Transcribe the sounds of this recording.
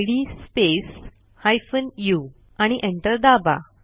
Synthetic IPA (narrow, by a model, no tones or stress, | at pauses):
ɽispes | hajfənju | aɽ̃iʔẽɳʈəɾd̪aba̰